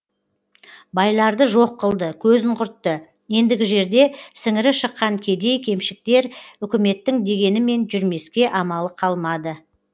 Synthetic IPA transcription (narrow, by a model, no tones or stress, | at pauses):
bɑjlˠɑɾd̪əʒo̞qːəlˠd̪əkʲʰɵzɪɴqʰʊɾt̪ːə | je̞nd̪ɪɡʲɪʒe̞ɾd̪e̞sɪŋɪɾɪʃəqːɑŋkʲʰe̞d̪e̞jkʲʰe̞mʃɪk̚t̪e̞ɾʏkʲɪme̞t̪ːɪŋd̪e̞ɡʲe̞nɪme̞nʒʏɾme̞skʲe̞ʔɑmɑlˠəqʰɑlˠmɑd̪ə